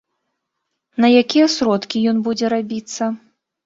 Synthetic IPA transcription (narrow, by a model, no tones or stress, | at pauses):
nɐjakʲijɛsɾɔt̪kʲijɔnbud͡zʲɛɾabʲit̪sːɐ